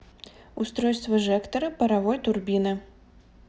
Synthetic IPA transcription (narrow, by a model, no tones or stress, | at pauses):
ust̪ɾɔjst̪vɐʐɛkt̪ɐɾɐpɐɾavɔjt̪ʊrbʲinɨ